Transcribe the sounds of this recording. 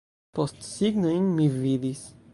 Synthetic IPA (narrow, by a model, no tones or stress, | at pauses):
pɔst̪siɡnɐĩnmiviðis